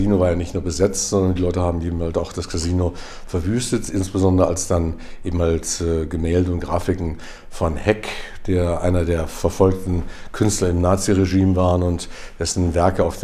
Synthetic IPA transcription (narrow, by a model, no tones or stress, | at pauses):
ziːnovaːɐjaːnɪçtnuːɐbəzɛt͡stz̥ɔndɐndiːlɔʏtəhaːbm̩ʔeːbm̩haltsaʊxd̥askʰaziːno | fɛɐvyːstətʔɪnsb̥əzɔndʁəalsd̥an | ʔeːbm̩halsɛɡəmɛːldəʊntɡ̥ʁaːfɪkŋ̩ | fɔnhɛk | d̥eːɐʔa̰ɪnɐdeːɐfɛɐfɔlk̚tn̩kʰʏnstlɐɪmnaːt͡siʁeʒiːmvaːʁənʊnt | d̥ɛsn̩vɛɐkəaʊf